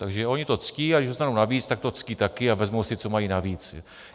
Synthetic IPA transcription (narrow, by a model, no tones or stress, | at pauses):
t̪aɡʒɛʔo̞ɲɪt̪o̞t͡sciːaɡdɪʒdost̪anownaviːt͡st̪ak̚t̪o̞t͡sciːt̪akɪavɛzmowsɪt͡so̞majiːnaviːt͡s